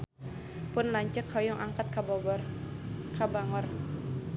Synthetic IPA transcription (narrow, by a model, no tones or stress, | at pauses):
pʊnlaɲt͡ʃəkhɔjɔŋʔaŋkat̪̚kabɔ | kabaŋɔr